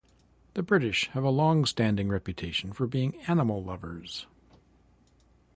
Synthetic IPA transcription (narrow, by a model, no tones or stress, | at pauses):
ðɨbɹɪɾɪʃhəvəlɔ̃ŋstæ̃ndɪ̃ŋɹɛpjɨtʰeɪʃn̩fə˞biɪ̃ŋænəml̩ˠlʌvə˞z̥